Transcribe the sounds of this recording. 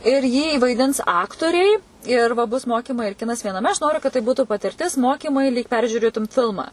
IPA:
ɪr jiː ʋɐɪˈdʲɪns ˈɑːktoːrʲɛɪ ɪr ʋɐ bʊs ˈmoːkʲɪmɐɪ ɪr ˈkʲɪnɐs ʋʲiɛnɐˈmʲɛ ɐʃ ˈnoːrʲʊ kɐt tɐɪ ˈbuːtʊ pɐtʲɪrʲˈtʲɪs ˈmoːkʲɪmɐɪ lʲiːk ˈpʲɛrʲʒʲuːrʲeːtʊm ˈfʲɪlˠmɐ

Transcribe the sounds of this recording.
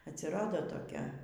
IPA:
ɐtʲsʲɪˈrɑːdoː toːˈkʲɛ

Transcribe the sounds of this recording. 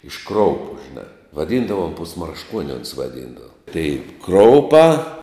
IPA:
ɪʃ ˈkroːʊpʊ ʒʲɪˈnɑː ʋɐˈdʲiːndɐʋoːm pʊsmɐrʃˈkuɔnʲɪ oːns ʋɐˈdʲiːndɐʋɐ tɐɪ ˈkroːʊpɑː

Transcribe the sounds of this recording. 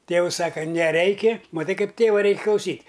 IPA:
ˈtʲeːʊs ˈsɑːkɐ nʲɛˈrʲɛɪkʲɪ mɐˈtɐɪ ˈkɐɪp ˈtʲeːʋɐ ˈrʲɛɪkʲ klˠɐʊˈsʲiːtʲ

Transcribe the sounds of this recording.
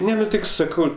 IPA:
ˈnʲɛ nʊ ˈtʲɪk sɐˈkɐʊ

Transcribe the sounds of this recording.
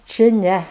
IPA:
t͡ʃʲɪ ˈnʲɛ

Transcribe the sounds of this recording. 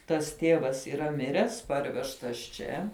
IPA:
tɐs ˈtʲeːʋɐs iːˈrɐ ˈmʲɪrʲæːs ˈpɐrʲʋʲɛʃtɐs ˈt͡ʃʲɛ

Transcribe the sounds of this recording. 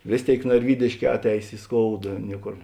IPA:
ˈʋʲeːs ˌtʲeːɪk nɐrʲˈʋʲiːdʲeːʃʲˌkʲɛː ˈɑːtʲˌɛɪs ɪ ˈskoːʊdɐ ˈnʲiɛˌkoːr

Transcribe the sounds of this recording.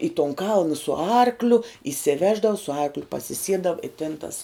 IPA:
ɪ tuɔn ˈkɐlˠnɐ sʊ ˈɐrklʲʊ iːsʲɪˈʋʲæːʒdɐʋɐ sʊ ˈɐrklʲʊ pɐsʲɪˈsʲiɛdɐw ɪ tʲɪn tɐs

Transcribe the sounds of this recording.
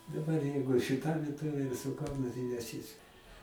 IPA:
dɐˈbɐr ˈjɛɪɡʊ ʃʲɪˈtɐ ʋʲiɛˈtoːʋʲeː ɪr sʊ ˈkɐʊnʊ tɐɪ nʲɛˈsʲɪs

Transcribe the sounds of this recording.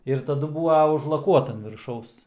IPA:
ɪr tɐˈdʊ ˈbuːʋɐ ʊʒlˠɐˈkuɔtɐ ɐn ʋʲɪrˈʃɐʊs

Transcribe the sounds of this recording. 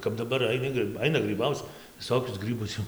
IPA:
kɐp dɐˈbɐr ɐɪˈnʲɪ ɡrɨ ˈɐɪnɐ ɡrɨˈbɐʊt͡s ʋʲɪˈsoːkʲʊs ˈɡrɨbʊs jɛʊ

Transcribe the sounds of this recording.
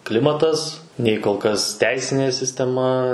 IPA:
ˈklʲɪmɐtɐs ˈnʲɛɪ koːlˠ ˈkɐs ˈtʲɛɪsʲɪnʲeː sʲɪsʲtʲɛˈmɐ

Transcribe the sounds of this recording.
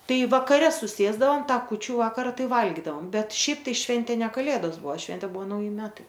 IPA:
ˈtɐɪ ʋɐkɐˈrʲɛ sʊˈsʲeːzdɐʋoːm ˈtɑː kuːˈt͡ʃʲuː ˈʋɑːkɐrɐ ˈtɐɪ ˈʋɐlʲɡʲiːdɐʋoːm ˈbʲɛt ˈʃʲɛɪp tɐɪ ˈʃʲʋʲɛnʲtʲeː nʲɛ kɐˈlʲeːdoːs ˈbuɔ ˈʃʲʋʲɛnʲtʲeː ˈbuɔ nɐʊˈjɪ ˈmʲæːtɐɪ

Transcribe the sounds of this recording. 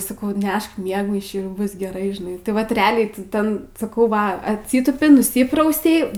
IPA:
sɐˈkɐʊ ˈnʲɛʃk ˈmʲiɛɡmɐɪʃʲiː ˈbʊs ɡʲɛˈrɐɪ ʒʲɪˈnɐɪ tɐɪ ˈʋɐt rʲɛˈɑːlʲɛɪ tɐɪ ˈtʲɛn sɐˈkɐʊ ˈʋɐ ɐtʲˈsʲiːtuːpʲɪ nʊˈsʲiːprɐʊsʲɛɪ

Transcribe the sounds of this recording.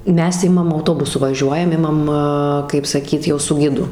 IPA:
ˈmʲɛs ˈɪmɐm ɐʊˈtoːbʊsʊ ʋɐˈʒʲuɔjɛm ˈɪmɐm kɐɪp sɐˈkʲiːt ˈjɛʊ sʊ ˈɡʲɪdʊ

